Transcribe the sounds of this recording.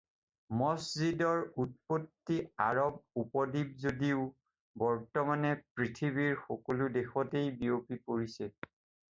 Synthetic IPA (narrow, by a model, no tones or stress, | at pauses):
mɔszidɔɹut̚potːiaɹɔb̚upɔdib̚zodiʊ | bɔɹtɔmanɛpɹitʰiβiɹxɔkoludexɔtejbiopipoɹisɛ